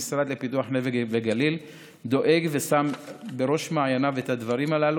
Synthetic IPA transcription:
sɾad̪le̞pituaħneveveɡalil | d̪o̞ʔe̞ɡvesambeʁo̞ʃmaajanavethad̪vaʁimalalu

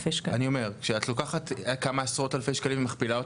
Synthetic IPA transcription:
feʃkaanio̞me̞ʁkkʃeatlo̞kaχatkamaasʁo̞talfeʃkalimvmaχpilaot

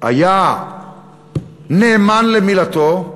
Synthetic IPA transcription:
a̰ja | neːmanlemilat̪o

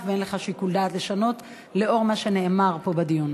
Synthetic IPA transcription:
fveenleχaʃikuld̪aːtle̞ʃano̞t̪ | le̞o̞ʁmaʃe̞ne̞ʔːmaʁpo̞bad̪ion

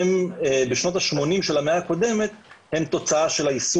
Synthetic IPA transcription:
embeʃno̞t̪aʃmo̞nimʃelameako̞d̪e̞me̞t̪̚he̞mt̪o̞t͡saaʃe̞laisu

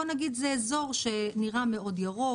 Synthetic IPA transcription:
onaɡidzeːzo̞ʁʃe̞niʁame̞o̞djaʁo

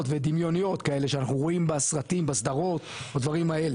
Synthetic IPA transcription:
tve̞d̪imjo̞nijo̞t̪kae̞le̞ʃeanaχnuʁo̞imbesʁat̪imbasd̪aʁo̞t̪ | od̪vaʁimae̞le

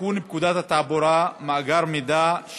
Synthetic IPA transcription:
uːnib̚kud̪at̪at̪aːbɔɾamaʔɡaɾmid̪aʃ

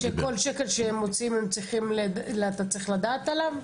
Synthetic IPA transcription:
ʃeko̞lʃekelʃeemot͡simemt͡sʁiχimleleat̪at͡sʁiχlad̪aːt̪alav

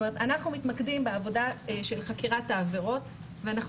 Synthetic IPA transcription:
meet̪anaχnumitmakdimbeavo̞daʃe̞lχakiʁataːve̞ʁo̞t | veanaχ

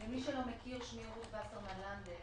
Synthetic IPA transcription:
vemiʃelo̞mekiʁʃniʁuvaseʁmaland̪e

